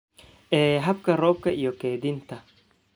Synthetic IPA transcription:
ʔɛːɦɐbkɐrɔːb̚kɐʔijɔkeːd̪ɪnt̪ɐ

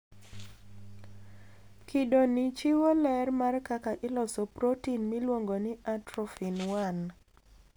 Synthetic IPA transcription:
kʰɪdonɪt͡ʃɪwolɛrmarkakaʔɪlɔsɔpɾotinmilwoŋɡonɪʔatɾɔfinwan

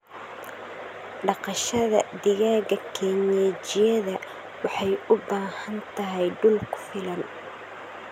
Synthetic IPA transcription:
ɖɑqɑʃɐðɐd̪ɪɣaːɣɐkʰɛɲɛːt͡ʃɪjɐðɐ | wɑħɑjʊbaːhɐnt̪ʰɐɦɛjɖʊlkʰʊ̥fɪlɐn

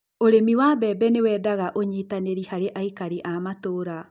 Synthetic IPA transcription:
oɾemiwabɛbɛnewɛːdaɣaʔoɲitaneɾihaɾeʔaikaɾiʔamatoːɾa

